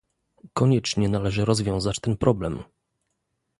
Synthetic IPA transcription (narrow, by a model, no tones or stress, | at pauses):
kɔɲɛt͡ʂɲɛnalɛʐɘɾɔzvʲjɔ̃w̃zat͡ɕt̪ɛnpɾʔɔblɛm